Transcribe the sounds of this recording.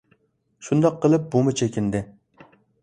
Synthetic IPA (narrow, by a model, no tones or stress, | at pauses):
ʃund̪ɑqʰːəlˠɨp̚bumɪt͡ʃʰekʲʰɪnd̪ɪ